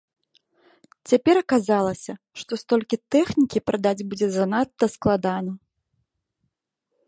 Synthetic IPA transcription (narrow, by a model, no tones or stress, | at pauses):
t͡sʲapʲɛɾɐkazalˠɐsʲɐ | ʂt̪ɔst̪ɔlʲkʲit̪ɛxnʲikʲipɾʔad̪ad͡zʲbud͡zʲɛzanat̪ːɐsklˠad̪anɐ